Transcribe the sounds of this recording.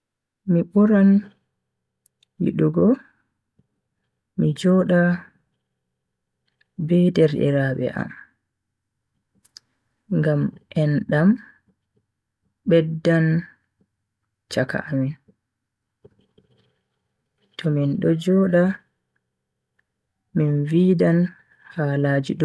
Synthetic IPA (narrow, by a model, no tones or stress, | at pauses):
miɓɔɾan | wḭɗuɡɔ | mid͡ʒɔɗa | bɛdɛɾɗɛ̰ɾaɓɛ̰ʔa̰m | ŋɡamʔɛnɗam | ɓɛdːan | t͡ʃaka̰ʔamin | tɔminɗɔd͡ʒɔːɗa | invidan | haːlaːd͡ʒiɗ